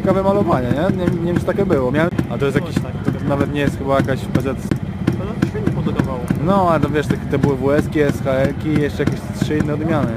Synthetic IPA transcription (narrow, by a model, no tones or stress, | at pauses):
kavɛmalɔvaɲɛɲɛɲɛmɲimst̪akʲɛbɘwɔmʲjawɛmat̪ɔjɛst̪jakiɕt̪ak̪navɛt̪ɲɛjɛst̪xɘbajakaɕpɛzɛt̪sp̪ɛzat̪ɕvʲɛt̪ɲɛpɔd̪uk̪ɔvawɔnɔalɛt̪avʲɛʂt̪akʲɛt̪ɔbɨwɘvuɛskʲiɛsxaɛlkʲiːjɛʂt͡ʂɛjakʲeɕt̪ʂɘinːɛɔd̪mʲjanɘ